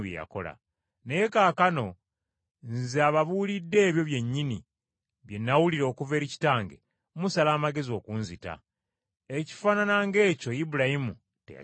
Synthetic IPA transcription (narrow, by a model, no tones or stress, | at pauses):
jḛja̰ko̞̰la̰ | neje̞kaːkano̞ | nzeaβaβulidːe̞ːβjo̞βje̞ɲːini | βje̞nːawuliɾo̞ːkuve̞ːɾici̥taːŋɡḛ | musalaːmaɡe̞zio̞kuːnzita̰ | eci̥faːnanaŋɡe̞ːco̞jibuɾahimu | tḛja̰